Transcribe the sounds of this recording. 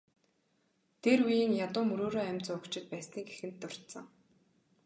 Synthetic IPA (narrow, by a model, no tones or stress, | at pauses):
t̪ʰerujiːŋjat̪ʊːmɵɾoːɾoːæmʲt͡sʊːʊkt͡ɕɪ̆t̪̚pæːsniːɡexɘ̆nt̪ːʊr̥t̪sə̆ŋ